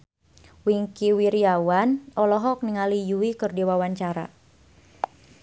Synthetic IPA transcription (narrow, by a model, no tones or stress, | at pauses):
wiŋkiwiɾiawanʔɔlɔɦɔk̚niŋalijuwikɨrdiwawaɲt͡ʃaɾa̰